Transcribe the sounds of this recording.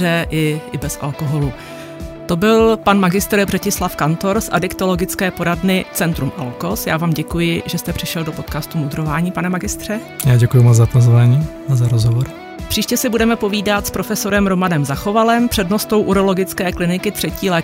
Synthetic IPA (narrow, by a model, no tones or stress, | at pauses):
ɛʔɪɪbɛsʔa̰lkoɦo̞lu | t̪o̞bɪlpanmaɡɪst̪ɾbrɛcɪslafkant̪o̞ɾsʔa̰dɪkt̪o̞lo̞ɡɪt͡skɛːpo̞ɾadnɪt͡sɛnt̪ɾumʔalko̞sjaːvaːmɟɛkujɪʒɛst̪ɛpr̝̥ɪʃɛldopo̞t̪̚kaːst̪umud̪ɾo̞vaːɲiːpanɛmaɡɪst̪r̥ɛ | jaːɟɛkujumɔt͡szapozvaːɲiː | azaɾozɦovoɾ | pr̥iːʃcɛsɪbudɛmɛpo̞viːdat̪spɾo̞fɛso̞ɾɛmɾo̞manɛmzaxo̞valɛmpr̝̥ɛdno̞st̪o̞wʔuɾo̞lo̞ɡɪt͡skɛːklɪnɪkɪt̪r̝̥ɛciːlɛː